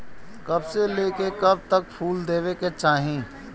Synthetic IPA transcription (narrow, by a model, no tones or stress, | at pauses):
kɐbseleːkekɐb̚t̪ək̚pʰuːld̪eːʋeket͡ʃaːɦĩː